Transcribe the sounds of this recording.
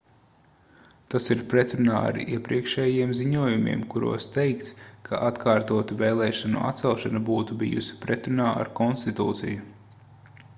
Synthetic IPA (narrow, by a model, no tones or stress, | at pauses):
t̪asiɾpɾɛt̪ɾunaːa̰ɾiɛpɾiɛkʃɛːjiɛmziɲuɔjumʲḭɛ̰ːmkuɾṵɔst̪ɛjkt̪skʰaʔat̪kʰaːɾt̪uɔt̪uvɛːlˠɛːʃanṵʔa̰t̪sɛlˠʃanabuːt̪ubḭjṵsi̥pɾɛt̪ɾunaːʔa̰ɾkɔnst̪it̪ṵːt̪sḭju